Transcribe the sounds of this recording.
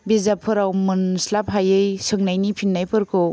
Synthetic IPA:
bezapʰɯɾawmɯnslap̚ɦajɯjsɯŋnajnipʰinːajpʰɯɾkʰɔ

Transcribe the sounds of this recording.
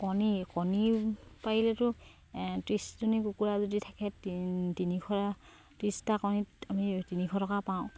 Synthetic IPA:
kɔnikɔnipaɦilɛtʊ | tɹisdunikukuɹazɔditʰakɛttinikʰɔa | tistakɔnitamitinikʰɔtɔkapaʊ̃

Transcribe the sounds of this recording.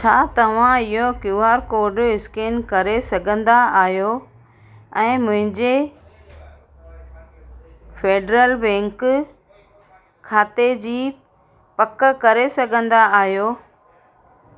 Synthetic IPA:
t͡ɕʰaːt̪ɐʋ̤ãɪɦokjuːaːɾkoːɾɖɪskeːnkɐɾesɐɡʱə̃nd̪aaːɦjo | ɛ̃ːmʊ̃ɦɪ̃ɲd͡ʑe | feːɖɾəlbɛ̃ːŋk | kʰaːt̪ed͡ʑiː | pɐkkɐɾesɐɡʱə̃nd̪aaːɦijoː

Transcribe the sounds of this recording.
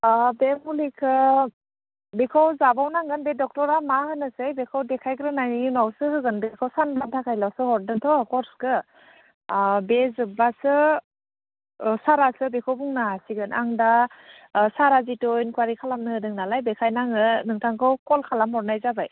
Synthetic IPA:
bemulikʰɯ | bekʰawzabawnaŋɡɯnbedɔk̚tɔɾamahɯnɯsɯjbekʰawdekʰajkɾɯnajnunawsɯhɯɡɯnbekʰawsanbantʰakʰajlawsɯhɔɾdɯntʰɔkɔɾskɯ | bezɯbasɯ | saɾasɯbekʰɔwbuŋnaɦasiɡɯnʔa̰ŋda | saɾazitɔjnkwaɾikʰalamnɯhɯdɯŋnalajbekʰajnaŋɯnɯŋtʰaŋkʰɯwkɔlkʰalamɔɾnajzabaj

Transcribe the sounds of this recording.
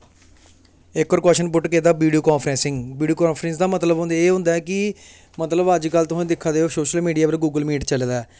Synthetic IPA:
ɪkːɔːɾkɔːʃənpʊʈkeːd̪aːbiːɖijoːkãːnpʰɾɛ̃ːsɪŋɡʋiːɖioːkaːnpʰɾɛ̃ːs̬d̪aːmət̪ləbɦʊ̃nd̪eːɦʊ̃nd̪aɛːkɪ | mət̪ləbəd͡ʒkəlt̪ʊsẽːd̪ɪkʰːaːd̪eːoːsoːʃəlmiːɖijaːpəlɡuːɡəlmiːʈt͡ʃəlːd̪aː

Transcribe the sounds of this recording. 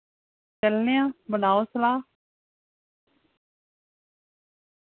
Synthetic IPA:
t͡ʃəlnejãːbənaːoːsəlaː

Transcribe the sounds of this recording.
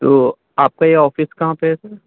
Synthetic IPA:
t̪oː | aːp̚kajeɔːfɪskɐɦãpesɛ

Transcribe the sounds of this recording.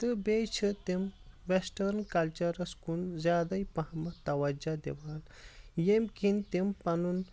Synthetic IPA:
t̪ɨbet͡ʃʰɨt̪emʋesʈɐɾnkɐlt͡ʃɐɾɐskunzʲjaːd̪ɐipɐɦɐmɐt̪ɐʋɐd͡ʒad̪ḛʋaːl | jemkint̪empɐnun

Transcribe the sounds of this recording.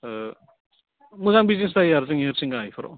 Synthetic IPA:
muzaŋbizins̬dajaɾzɯŋheɾsiŋɡajpʰɯɾɔ̰

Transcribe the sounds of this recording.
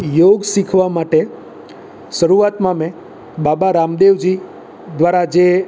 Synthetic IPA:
joɡsikʰʋamaʈe | ʃəɾuat̪mãmẽ | babaɾamd̪eʋd͡ʒi | d̪ʋaɾad͡ʒe

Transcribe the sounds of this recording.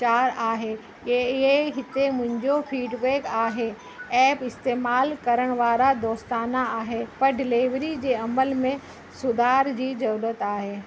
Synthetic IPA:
t͡ɕaːɾaːɦe | eɪɦeɦɪt̪emʊ̃ɦɪ̃ɲd͡ʑofʰiːɖbeːkaːɦe | ɛːpɪst̪eːmaːlkɐɾəɽ̃ʋaːɾad̪oːst̪aːnaaːɦepɐɾɖɪleːʋɾid͡ʑeːɐməlmẽ | sʊd̪ʱaːɾd͡ʑiːd͡ʑɐɾuːɾət̪aːɦeː

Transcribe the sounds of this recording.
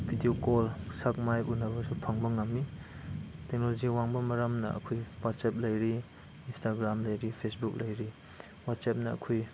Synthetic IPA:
bʱidiokɔlsak̚majunɐbɐsupʰaŋbɐŋɐmːi | tek̚nolod͡ʒiwaŋbɐmɐɾɐmnɐ̰ɐ̰kʰujwat̚sap̚lɐjɾi | instaɡɾamlɐjɾipʰesbuk̚lɐjɾi | wat̚sap̚nɐɐ̰kʰuj

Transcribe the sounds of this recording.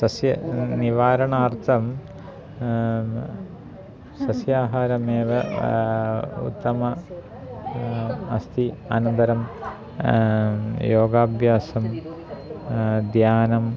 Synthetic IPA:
sɐsjɐniʋaːɾɐɳaːrt̪ʰɐm | sɐsjaːɦaːɾɐmeːʋɐ | ṵt̪ːɐmɐ | ɐst̪ʰia̰nɐnd̪ɐɾɐm | joːɡaːbʱjaːsɐm | d̪jaːnɐm

